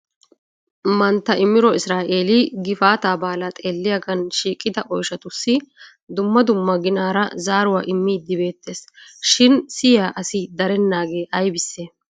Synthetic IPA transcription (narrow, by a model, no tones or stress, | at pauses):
mɐnt̪ːɐʔɪmːɪɾɔɪsɾaːʔeːlɪɡɪfaːt̪aːbaːlɐt̪ʼeːlːɪjaɡɐnʃiːkʼːɪd̪ɐʔɔjʃɐt̪ʊsːɪ | d̪ʊmːɐd̪ʊmːɐɡɪnaːɾɐzaːɾʊwaːʔɪmːiːd̪ːɪbe̞ːt̪ːe̞ːsʃɪnsɪjaːʔɐsɪd̪ɐɾɛnːaːɡe̞ːʔɐjbɪsːeː